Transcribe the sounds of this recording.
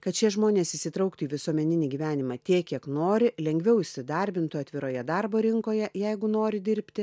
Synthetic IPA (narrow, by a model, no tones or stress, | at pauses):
kɐt̪t͡ʃʲiɛʒmoːnʲeːsɪsʲɪt̪ɾɐʊkt̪ʊiːʋʲɪsuɔmʲɛnʲɪnʲiːɡʲiːʋʲæːnʲɪmɑːt̪ʲiɛkʲiɛknoːɾʲɪlʲɛŋʲɡʲʋʲɛʊɪʃʲsʲɪd̪ɐɾʲbʲɪnt̪ʊɐt̪ʲʋʲɪɾoːjɛd̪ɑɾboːɾʲɪŋkoːjɛjɛɪɡʊnoːɾʲɪd̪ʲɪɾʲpʲt̪ʲɪ